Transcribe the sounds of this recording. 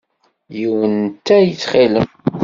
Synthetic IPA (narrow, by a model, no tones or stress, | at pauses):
jiwənt̪æjət͡sːχiləm